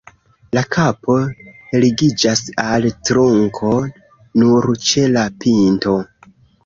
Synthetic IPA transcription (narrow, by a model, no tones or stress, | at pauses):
lakʰapʰo̞liɡid͡ʒasaltɾoŋkʰo̞ | nuɾt͡ʃe̞lapʰinto̞